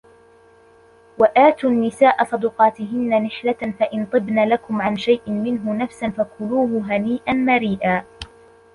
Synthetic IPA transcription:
waʔaːt̪unːɪsaːʔasˤɑd̪ʊːqɑːt̪ɪɦɪnːanɪħlafaʔɪnt̪ˤɨbnaːlakʊmʕanʃajʔɪmɪnɦʊnafsanfakʊluːɦʊɦaniːʔanmaɾiːʔaː

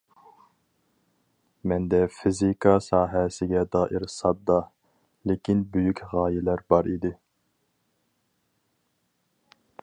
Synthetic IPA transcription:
mɛnd̪ɛfizikʰɑsɑːɦɛsɪɡʲɛd̪ɑːʔɪɾsɑb̚d̪ɑ | lekʲinbøjykʲʁɑːjɪlæɾbɑɾid̪ɪ

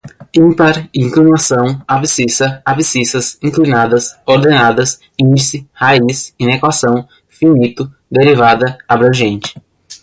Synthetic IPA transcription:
ĩpaɾĩŋklinasɐ̃w̃abisisɐabisisɐsĩŋklinad̪ɐsoɾd̪enad̪ɐs | ĩnd͡ʒisɪhaisinekwasɐ̃w̃ | finit̪ʊ | d̪eɾivad̪ɐabɾɐ̃ʒẽnt͡ʃɪ̥

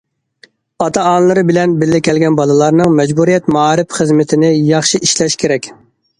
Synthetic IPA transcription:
ɑt̪ʰɑɑnlˠɨɾɨbɪlɛnbɪlːɪkʲʰɛlɡʲɛnbɑlˠɨlˠɑɾnɨŋmɛd͡ʒbuɾijɛt̪mɑːɾɪpχəzmɪt̪ʰɪnɪjɑχʃiʔiʃlɛʃkʲʰeɾɛkʲ

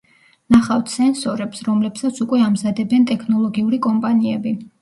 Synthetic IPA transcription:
naχaft̪ʰsɛnsɔɾɛpsɾɔmlɛpsat̪sʰukʼwɛamzad̪ɛbɛnt̪ʼɛkʰnɔlˠɔɡiuɾikʼɔmpʼaniɛbi

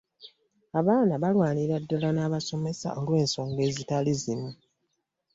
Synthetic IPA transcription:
aβaːnaβalwaːniɾadːalanaːβaso̞me̞sa̰ʔolwe̞ːnso̞ːŋɡe̞ːzitalizimu

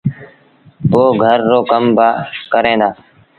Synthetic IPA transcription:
poːɡʱəɾːoːkəmbaːkəɾẽːd̪aː

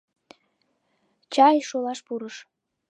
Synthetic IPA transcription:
t͡ɕɑjʃolɑʃpuɾəʃ

